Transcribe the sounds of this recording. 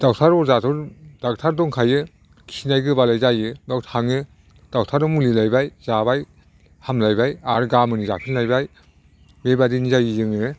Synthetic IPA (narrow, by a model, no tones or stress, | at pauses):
d̥awtʰaɾɔɾzatʰɔɾd̥ak̚tʰaɾdɔŋkʰajɯ | kʰinajɡɯbalajzajɯbawtʰaŋɯ | d̥awtʰaɾɯmulilajbajzabaj | hamlajbajaɾɡamɯnizapʰinlajbaj | bebadinizajɯzɯŋɯ